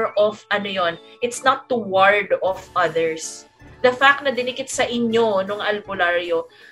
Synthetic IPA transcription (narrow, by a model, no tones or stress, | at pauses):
ɹʔofʔɐnojon | ʔɪt̪snɐt̪̚ːuwaɹd̪ɔfʔɐðɛɹs | d̪ɐfak̚t̪nɐd̪ɪnɪkɪt̪̚sɐʔɪɲːo̞nʊŋʔɐlbʊlaɹjo